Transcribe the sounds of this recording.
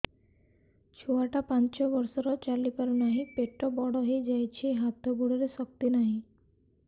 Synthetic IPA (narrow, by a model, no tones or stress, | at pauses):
t͡ʃʰoaʈapant͡ʃɔbɔɾsɔɾɔt͡ʃalipaɾunaɦĩpeʈːɔbɔɽɔɦejd͡ʒajt͡ʃʰiɦat̪ɔbuɽɔɾesɔk̚t̪inaɦĩ